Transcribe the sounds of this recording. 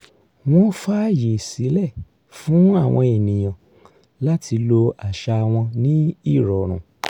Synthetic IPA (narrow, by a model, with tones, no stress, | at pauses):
w̃ɔ̃˦fa˦ji˨si˨˦lɛ˦˨ | fũ˨˦a˦˨w̃ɔ̃˧e˨nĩ˨j̃ã˨ | la˦tʰi˧lo˧a˨ʃa˧˨w̃ɔ̃˧nĩ˦i˦˨ɾɔ˨ɾ̃ũ˨